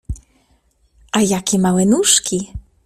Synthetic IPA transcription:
ʔajakʲɛmawɛnuʂkʲi

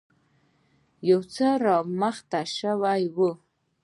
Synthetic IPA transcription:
jowt͡sʰaramaχtʰaʂawajɡʷʊ

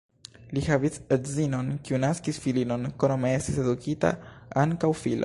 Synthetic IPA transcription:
lihavisedzino̞nkiunaskisfilino̞nkonomee̞stise̞d̪ukʰita̰aŋkawfilo̰

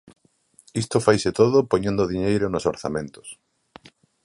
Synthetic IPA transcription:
ist̪ofajsɪt̪oðʊpoɲẽnd̪ʊðiɲejɾʊnʊsoɾθamẽnt̪ʊ̥s

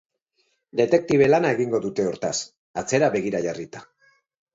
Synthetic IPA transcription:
d̪e̞t̪e̞k̚t̪iβe̞lanae̞ɣiŋɡo̞ðut̪e̞o̞ɾt̪as | at͡se̞ɾaβe̞ɣiɾaʝarit̪ḁ

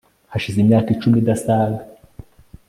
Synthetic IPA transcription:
haʃizimɲaːkit͡ʃumidasaɡa

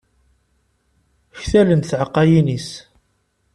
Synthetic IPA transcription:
çθælənθʕəqːɑjinis

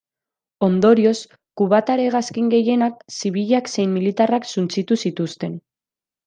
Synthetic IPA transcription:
o̞nd̪o̞ɾio̞s | kuβat̪aɾe̞ɣ̞askiŋɡe̞je̞nak̚siβ̞iʎakse̞jmmilit̪araksunt͡sit̪usit̪ust̪e̞n

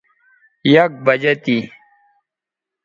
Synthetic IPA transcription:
jɐk̚bɐd͡ʑɐt̪i

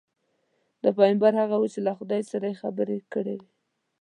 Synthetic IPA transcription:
d̪əpɑjmbaɾhaɣawut͡ʃelaxʊd̪ɑjsaɾajexabəɾekəɽewe

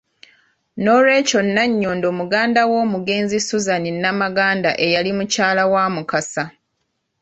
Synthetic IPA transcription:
no̞ːɾwe̞ːco̞nːaɲːo̞ːndo̞ːmuɡaːndawo̞ːmuɡe̞ːnzisuzaninːamaɡaːndaʔejalimucaːlawaːmukasa

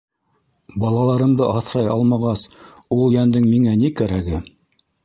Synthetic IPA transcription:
bɑlˠɑlˠɑɾɤ̆md̪ɤʔɑθɾɑjɑlˠmɑʁɑs | ulˠjænd̪ɘŋmiŋænikæɾæɡɘ

